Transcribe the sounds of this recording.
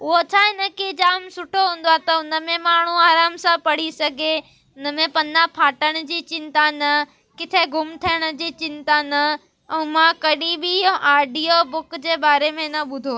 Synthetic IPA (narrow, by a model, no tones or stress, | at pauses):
ʊɦot͡ɕʰaːɦɪnəkid͡ʑaːmsʊʈʰoɦũːnd̪oat̪ɐʊnə̆mẽmaːɳ̤uaːɾaːmsãpɐɽ̤isɐɡʱe | ʊnə̆mẽpɐ̃napʰaːʈəɽ̃̆d͡ʑiːt͡ɕɪ̃nt̪anɐ | kɪt̪ʰeɡʱʊmt̪ʰijəɽ̃ə̆d͡ʑiːt͡ɕɪ̃nt̪anɐ | ɛ̃mãkɐɗibioʔaːɖijobʊkd͡ʑeːɓaːɾemẽnɐɓʊd̪ʱoː